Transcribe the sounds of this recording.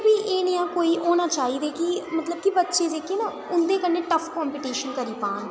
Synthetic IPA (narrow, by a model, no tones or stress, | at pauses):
biːʔeːnɪãːkoːiːʔoːnaːt͡ʃaːɦiːd̪eːkɪmət̪ləb̚kɪbətːʃeːd̪ekʰeːnãː | ʊnd̪eːkənːeːʈəfʰkɔːmpiːʈiːʃənkəɾiːpãːn